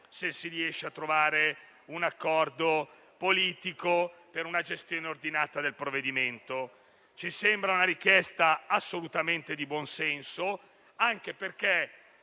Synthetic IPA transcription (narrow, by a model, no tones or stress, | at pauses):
sesːiɾiɛʃːeat̪ːɾovaːɾe | unakːɔrd̪o | poliːt̪ikopeɾunad͡ʒest̪joːneord̪inaːt̪ad̪elpɾoved̪iment̪o | t͡ʃisembɾaunaɾik̟jɛst̪aasːolut̪ament̪ed̪ibwɔnsɛnso | aŋk̟eperke